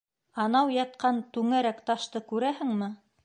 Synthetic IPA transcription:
ɑnɑwjɑt̪̚qɑnt̪ʉŋæɾækt̪ɑʃt̪ɤkʉɾæhɘ̆ŋmɘ

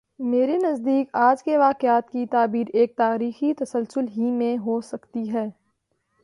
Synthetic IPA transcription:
meːɾenɐzd̪iːkaːd͡ʒkeʋaːkɪaːt̪kit̪aːbiːɾeːk̚t̪aːɾiːxit̪ɐsəlsʊlɦimẽɦosɐkt̪iɦɛː

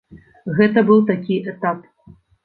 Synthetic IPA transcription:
ɣɛt̪ɐbɨwˠt̪akʲiʔɛt̪ap̚

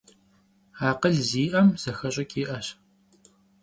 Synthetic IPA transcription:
aːqəɮziːʔɐmz̥ɐxɐɕʼɐkʼiːʔɐɕ

